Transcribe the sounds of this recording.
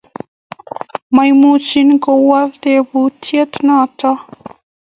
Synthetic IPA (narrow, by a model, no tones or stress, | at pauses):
majmut͡ʃinikowaɾd̪evut̪ʰiet̪inat̪a